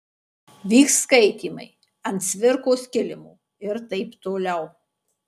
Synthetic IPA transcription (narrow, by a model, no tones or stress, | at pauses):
ʋʲiːkskɐɪt̪ʲiːmɐ̰ɪ | ɐnʲt̪sʲʋʲɪɾkoːskʲɪlʲɪmuː | ɪɾt̪ɐɪpt̪oːlʲɛʊ